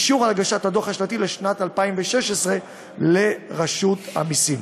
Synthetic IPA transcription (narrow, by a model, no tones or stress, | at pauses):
ʃuʁalaɡaʃathadoχhaʃlat̪ile̞ʃnatalpaimveʃeʃesʁe̞ | le̞ʁaʃut̪ha̰misim